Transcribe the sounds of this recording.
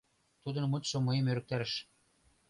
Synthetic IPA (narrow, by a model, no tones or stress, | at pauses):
t̪ud̪ɤ̆nmɤt̪ʃomɤjəmøɾɘ̆k̚t̪æɾɘ̆ʃ